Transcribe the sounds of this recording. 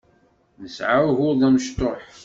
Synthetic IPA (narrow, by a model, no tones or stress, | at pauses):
nəsʕawɣʊɾðˤæməʃt̪oħ